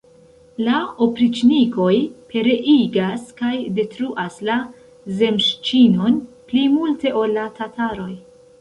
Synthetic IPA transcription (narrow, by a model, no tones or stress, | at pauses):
laopɾit͡ʃniko̞jpʰe̞ɾe̞ʔiɡaskajde̞tɾuʔasla | ze̞mʃt͡ʃino̞nplimulte̞ʔo̞lːatataɾo̞j